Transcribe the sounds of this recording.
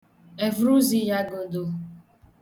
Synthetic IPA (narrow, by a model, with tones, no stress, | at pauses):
e˨vɾu˦zi˦ja˦ɡo˨do˨